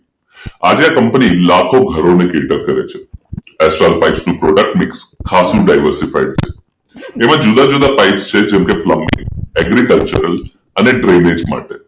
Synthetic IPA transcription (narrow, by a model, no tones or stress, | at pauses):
ad͡ʒeakəmpnilakʰoɡʱəɾonekeʈəɾkəɾet͡ʃʰeɛsʈɾalpaɪʈsnũpɾɔɖək̚ʈmɪkskʰasũɖajʋəɾsifa̰iɖ̚t͡ʃʰe̥ | emãd͡ʒud̪ãd͡ʒud̪apaɪʈst͡ʃʰed͡ʒɛmkepləmɪ̰ŋɛɡɾikəlt͡ʃəɾəl | əneɖɾened͡ʒma̰ʈe